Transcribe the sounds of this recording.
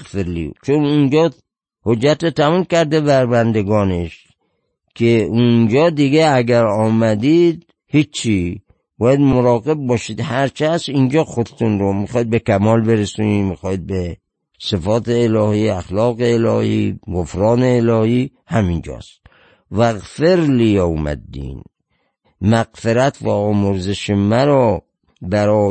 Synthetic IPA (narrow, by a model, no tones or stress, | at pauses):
felːḭt͡ʃʰonund͡ʒɒː | hod͡ʒːæt̪et̪ʰæmumkʲæɾd̪ebæɾbænd̪eɡɒːneʃ | kʰeund͡ʒɒːd̪iɡeæɡæɾɒːmæd̪id̪ | hit͡ʃt͡ʃʰːi | bɒːjæd̪moɾɒːɣe̞b̚ːɒːʃid̪hæɾt͡ʃʰæsind͡ʒɒːxod̪et̪ʰunɾomixɒːid̪̚bekʰæmɒːlbeɾesunimixɒːid̪̚be | sefɒːt̪eːlɒːhiːæxlɒːɣeːlɒːhḭːɡofɾɒːneːlɒːhihæmind͡ʒɒ̰ːst̪ | væɣfeɾlijɒmæ̰d̪ːḭːn | mæɣfeɾæt̪ʰvæɒːmoɾzeʃemæɾɔː | bæɾɒː